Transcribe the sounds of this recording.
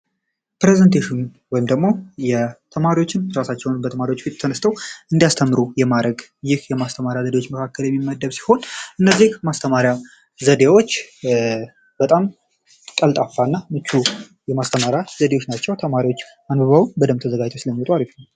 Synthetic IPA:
pɾezənt̪ʰeʃɪn | wɔjimd̪əɡmo̞jɛt̪ʰəmaɾiwo̞t͡ʃːɪnɾasat͡ʃːɛwnbət̪ʰəmaɾiwo̞t͡ʃːfit̪ʼt̪ʰənəst̪ʰəwɨnd̪ijast̪ʰəmːɨɾujɛmad̪ɾəɡjɪhjɛmast̪ʰəmaɾjazəd̪eot͡ʃːməkʰakːəljɛmːimːəd̪ːəβsi̥ho̞nʔɨnːəzːihmast̪ʰəmaɾja | zəd̪ewo̞t͡ʃː | b̥ət̪ʼam | kʼəlt̪ʼafːaɨnːamɨt͡ʃːu | jɛmast̪ʰəmaɾjazəd̪ewot͡ʃːnat͡ʃːɛwt̪ʰəmaɾiwo̞t͡ʃː | anbəβawunbəd̪əmt̪ʰəzəɡad͡ʒt̪ʰosɨləmːiot̪ʼwalək

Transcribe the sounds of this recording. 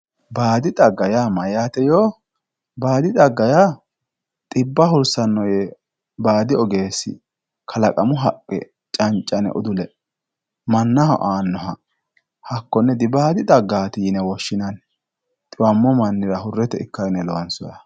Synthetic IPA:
baːd̪ɪd̪ʼɐɡːɐjamɐjaːt̪ɛjoː | baːd̪ɪd̪ʼɐɡːɐja | t̪ʼɪbːɐɦʊɾsɐnːɔjɛ | baːd̪ɪɔɡe̞ːsɪ̰ | kʰɐlɐkʼɐmʊɦɐkʼːɛ̰ | t͡ʃʼɐnt͡ʃʼːɐnɛ̰ʔʊ̰d̪ʊlɛ | mɐnːɐhɔ̰ʔaːnːɔɦɐ | hɐkːɔnːɛd̪ɪbaːd̪ɪd̪ɐɡːaːt̪ɪjɪnɛwɔʃːɪnɐn | t̪ʼɪwɐmːɔmɐnːɪɾɐɦʊrːɛt̪ɛɪkːɐjnɛlɔwɐnsɔjɐ

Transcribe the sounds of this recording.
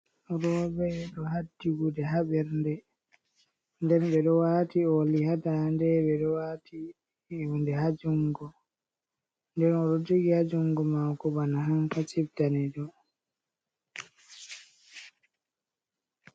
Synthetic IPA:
ɾɔɓɛɗɔɦadːiɡudɛɦaɓɛɾndɛ | ndɛnɓɛɗɔwaːtiolihadandɛɓɛɗɔwatʰi | undɛɦad͡ʒuŋɡɔ | ndɛnɔɗɔd͡ʒiɡihad͡ʒuŋɡɔmawkɔbanaɦampat͡ʃibdanɛɗɔ

